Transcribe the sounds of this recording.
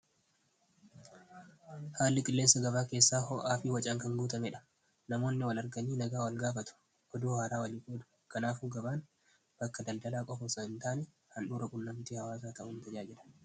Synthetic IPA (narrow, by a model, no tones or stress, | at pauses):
haːlːɪkʼɪlːe̞ːsːɐɡɐβaːke̞ːsːaːhɔʔaːfiːwɐt͡ʃʼaːŋkɐŋɡuːt̪ɐmɛᶑɐ̥ | nɐmo̞ːnːɪwɐlɐɾɡɐniːnɐɡaːwɐlɡaːfɐt̪ʊ̥ | ʔɔd̪uːhaːɾaːwɐliːfuːd̪ʊ̥ | kɐnaːfuːɡɐbaːn | b̥ɐkːɐd̪ɐld̪ɐlaːkʼɔfɔsɐɪnt̪aːnɛ | hɐnɗuːɾɐkʼʊnːɐmt̪iːhɐwaːs̬aːt̪ɐʔʊːnt̪ɐd͡ʒaːd͡ʒɪᶑɐ̥